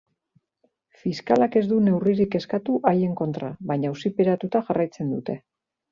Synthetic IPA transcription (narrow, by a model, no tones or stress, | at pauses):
fiskalake̞zd̪une̞wriɾike̞skat̪uʔaje̞ŋko̞nt̪ɾaβaɲausipeɾat̪ut̪aʝarajt͡se̞nd̪ut̪e̞